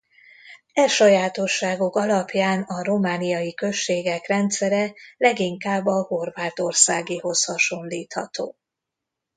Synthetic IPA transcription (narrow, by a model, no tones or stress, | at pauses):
ɛʃɒjaːt̪o̞ʃːaːɡokɒlɒpjaːnɒro̞maːnijɒjikø̞ʃːeːɡɛkrɛnt̪sɛɾɛlɛɡiŋkaːbːɒho̞rvaːt̪o̞rsaːɡiho̞shɒʃo̞nliːt̪hɒ̰t̪o̰ː